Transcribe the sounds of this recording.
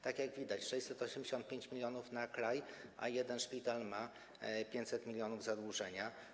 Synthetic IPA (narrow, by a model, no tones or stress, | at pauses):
t̪akʲjaɡvʲid̪at͡ɕʂɛjɕt͡ɕsɛt̪ɔɕɛmʲd͡ʑeɕɔnt̪̚pʲeɲt͡ɕmʲilʲjɔnufnakɾajʔa̰jɛd̪ɛnʂpʲit̪alma | pʲjẽɲt͡ɕsɛt̪mʲilʲjɔnuvzad̪wuʐɛɲa